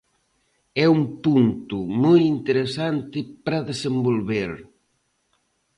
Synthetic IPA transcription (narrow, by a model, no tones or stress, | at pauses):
ɛumpunt̪ʊmojint̪eɾesant̪ɪpɾɐðesembolβeɾ